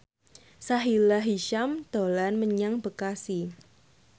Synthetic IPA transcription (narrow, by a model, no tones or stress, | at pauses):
saɦilaɦiʃamd̪̥olanməɲaŋbə̤kasi